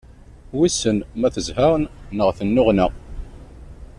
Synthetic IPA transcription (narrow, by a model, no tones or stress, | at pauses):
wisənmæθəzhaʁənːəʁθənːʊʁnæ